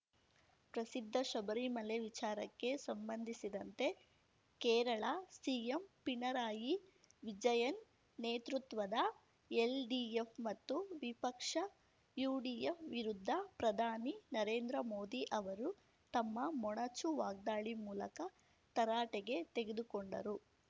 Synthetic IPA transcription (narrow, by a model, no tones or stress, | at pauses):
pɾɐsid̪ʱːɐʃɐbɐɾimɐleʋit͡ʃaːɾɐkːe̞sɐmbɐnd̪ʱisid̪ɐnt̪e̞ | kɛːɾɐɭɐsiempinɐɾaːji | ʋid͡ʒɐjɐnː | eːt̪ɾut̪ʋɐd̪ɐ | elɖiːepmɐt̪ːuʋipɐkʂɐ | juːɖiːefʋiɾud̪ʱːɐpɾɐd̪ʱaːninɐɾe̞ːnd̪ɾɐmo̞ːd̪iʔɐʋɐɾu | t̪ɐmːɐmɔɳɐt͡ʃuʋaːɡ̚d̪aːɭimuːlɐkɐ | t̪ɐɾaːʈeɡe̞t̪e̞ɡe̞d̪ukoɳɖɐ̰ɾu